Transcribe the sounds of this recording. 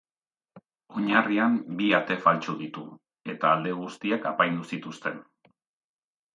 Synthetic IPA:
o̞ɲariambiat̪e̞falt͡ʃuðit̪u | e̞t̪aːld̪e̞ɣust̪iakapajnd̪usit̪ust̪e̞n

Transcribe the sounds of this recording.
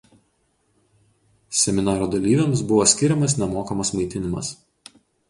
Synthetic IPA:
sʲɛmʲɪnɑːɾoːd̪ɐlʲiːʋʲɛmsbʊʋoːsʲkʲɪɾʲɛmɐsnʲɛmoːkɐmɐsmɐɪt̪ʲɪnʲɪmɐ̰s

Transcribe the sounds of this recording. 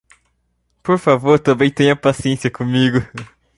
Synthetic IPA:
poɾfavoɾt̪ɐ̃mbẽj̃t̪ẽɲ̃ɐpasiẽsiɐkõmiɡʊ

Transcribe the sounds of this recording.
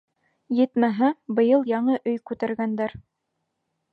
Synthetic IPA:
jɘ̆t̪mæɦɘbɤ̆jɤlˠjɑɴɤʔɵjkʉt̪æɾɡænd̪æɾ

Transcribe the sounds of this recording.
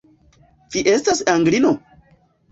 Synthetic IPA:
fiʔestasaŋɡlino

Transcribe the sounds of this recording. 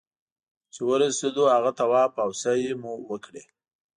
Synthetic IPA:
t͡ʃewəɾased̪ohaɣat̪awɑpawsajemuwəkɽe

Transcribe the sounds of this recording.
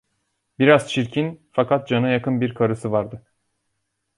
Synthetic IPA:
biɾaz̥t͡ʃʰiɾcʰinfakʰat̪̚d͡ʒanajakɯnbiɾkʰaɾɯsɯvaɾd̪ɯ

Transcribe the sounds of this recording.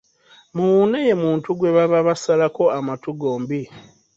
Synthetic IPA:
muwuneje̞muːntuɡwe̞βaβaβasalako̞amatuɡo̞ːmbi

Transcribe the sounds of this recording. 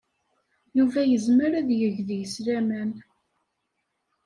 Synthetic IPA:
juvæjəzməɾæðjəʝðijəslæmæn

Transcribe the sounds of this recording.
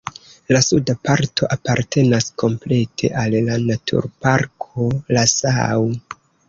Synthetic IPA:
lasudapaɾto̞ʔapaɾte̞naskʰo̞mple̞tʰe̞̰ʔalːanatʰṵɾpaɾkʰo̞lasaw

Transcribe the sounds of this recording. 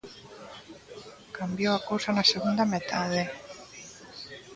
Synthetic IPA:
kambjoakowsanaseɣund̪amet̪aðe

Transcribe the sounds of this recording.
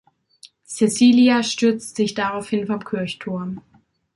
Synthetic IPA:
sɛsiːliaʃtʏɐt͡stz̥ɪçd̥aʁaʊfhɪnfɔmkʰʏɐçtʰʊɐm

